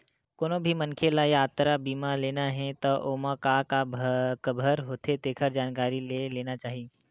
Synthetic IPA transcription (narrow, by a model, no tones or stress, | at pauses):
koːnõbʱimɐnkʰelajaːt̪ɾabiːmaleːnaɦɛ̃t̪oʔoːmakakabʱkəbʱəɾɦoːt̪ʰet̪eːkʰəɾd͡ʒaːnkaːɾileleːnat͡ʃaːɦie